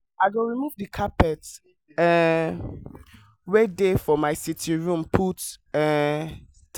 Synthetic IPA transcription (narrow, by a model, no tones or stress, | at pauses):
aɪɡoɹimuvdikʰapɛt | ɛ | wedefɔmaɪsitʰĩɹũmpʰutɛ | t